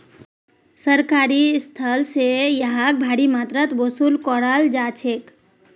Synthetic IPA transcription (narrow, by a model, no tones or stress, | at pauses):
səɾkaːɾist̪ʰəlsejəɦak̚bʱaɽimaːt̪ɾət̪bosulkɔɽald͡ʒaːt͡ʃʰek